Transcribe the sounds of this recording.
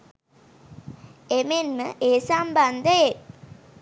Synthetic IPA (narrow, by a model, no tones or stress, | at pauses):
emenməʔeːsamband̪əe